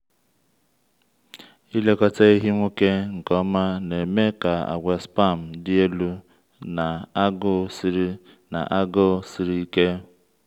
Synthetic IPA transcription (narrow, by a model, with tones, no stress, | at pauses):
i˦le˦kɔ˦te˦i˦ɦi˦ŋʷu˦ke˦ŋ̩˨kɔ˦ma˦ne˨me˦ka˨a̰˨ɡʷe˨spa˦˨m̩˨dɪ˦e˦lu˦ | na˨a˦ɡʊ˦si˦ɾi˦ | na̰˨ʔa˦ɡʊ˦si˨ɾi˦i˦ke˦